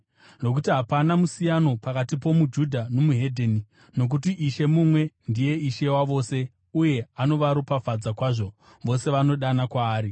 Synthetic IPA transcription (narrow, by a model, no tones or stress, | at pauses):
no̞k̬utiɦapanamusijano̞pakatipo̞mud͡ʒudʱano̞muɦe̞dʱeni | no̞k̬utiʔiʃe̞mumwe̞ndije̞iʃe̞waʋo̞ːse̞ | uje̞ano̞ʋaɾopafad͡zakwaːʐo̞ | ʋo̞se̞ʋano̞ɗanakwaːɾi